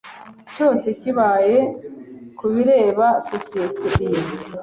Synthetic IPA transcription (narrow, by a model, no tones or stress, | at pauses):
co̞ːse̞ciβaːje̞ | kuβiɾe̞ːβasosieteim